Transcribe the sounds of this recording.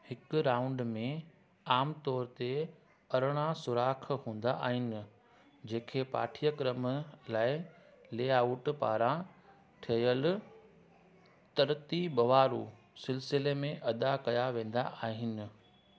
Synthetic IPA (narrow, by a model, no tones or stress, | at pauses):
hɪkɾãːʊ̃ɳɖmẽ | aːmt̪ɔːɾt̪e | ɐɾɽ̃asʊɾaːkʰɦũːn̆d̪a̰ʔa̰ːɦɪnɪ̆ | d͡ʑẽːkʰeːpa̰ːʈʰijəkɾəmlaːɪ | leːaʊʈpa̰ːɾã | ʈʰiɐjəl | t̪ɐɾt̪ibɐʋaːɾu | sɪlsɪlemẽʔɐd̪akɐjaʋẽːn̆d̪a̰ʔaːɦɪnɪ̆